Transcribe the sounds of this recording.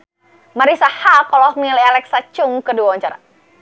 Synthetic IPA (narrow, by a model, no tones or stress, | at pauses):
maɾisahakɔlɔhmilialɛksat͡ʃʊŋkəduawaɲt͡ʃaɾa̰